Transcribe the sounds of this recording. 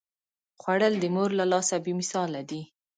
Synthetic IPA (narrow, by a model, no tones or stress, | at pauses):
xwaɽəld̪əmoɾlalɑsabemɪsɑlad̪i